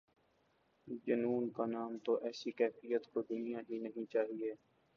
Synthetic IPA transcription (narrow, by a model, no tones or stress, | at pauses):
d͡ʒənuːnkanaːmt̪oʔɛːsikɛːfɪjət̪kod̪ʊnijaɦinəɦĩt͡ʃaːɦieː